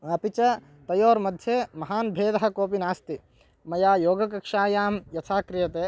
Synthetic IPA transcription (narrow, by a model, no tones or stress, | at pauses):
ɐpit͡ʃɐ | t̪ɐjoːɾmɐd̪ʱjeːmɐɦaːnbʱeːd̪ɐɦɐ̆koːpinaːst̪i | mɐjaːjoːɡɐkɐkʂaːjaːmjɐt̪ʰaːkɾɪjɐt̪eː